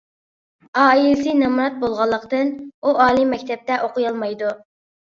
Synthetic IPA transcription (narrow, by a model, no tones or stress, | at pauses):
ɑːilɪsɨnɑmuɾɑt̪̚bolˠʁɑlˠːəqt̪ɨnuʔɑːlˠimːɛkʲt̪ʰɛp̚t̪ɛʔoqʰʊjɑlˠmɑjd̪u